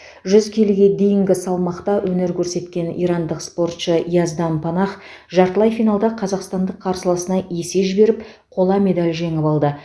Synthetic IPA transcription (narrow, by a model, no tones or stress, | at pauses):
ʒʏzkʲʰelɡʲe̞d̪e̞jɪŋɡʲɪsɑlˠmɑqt̪ɑwʔɵne̞ɾkʲʰɵɾse̞t̪kʲe̞nḭjɾɑnd̪əqspo̞rt̪ʃəijɑzd̪ɑnpʰɑnɑχ | ʒɑɾt̪əlˠɑjfijnɑlˠd̪ɑqʰɑzɑqst̪ɑnd̪əqʰːɑɾsəlˠəsənɑe̞se̞ʒɪbe̞ɾɪp | qʰo̞lˠɑme̞d̪alʲʒe̞ŋɪpɑlˠd̪ə